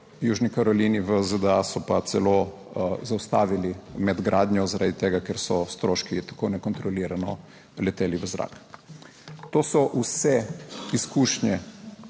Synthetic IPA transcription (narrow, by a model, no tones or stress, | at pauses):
juːʒnikaɾɔliːniʋəzəd̪əasɔpasɛlo | zawst̪aːʋilimɛd̪ɡɾʔaːd̪ɲjɔzaɾad̪it̪eːɡakɛɾsɔst̪ɾoːʃkit̪ḁkonɛkɔnt̪ɾɔliːɾanɔ | lɛt̪eːliʋəzɾa̰ːk | t̪oːsɔʔusɛiskuːʃɲɛ